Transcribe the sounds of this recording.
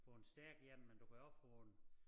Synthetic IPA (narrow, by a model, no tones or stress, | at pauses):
fɔensd̥æɐɡ̥jem̰mend̥uɡ̥æɒfɔn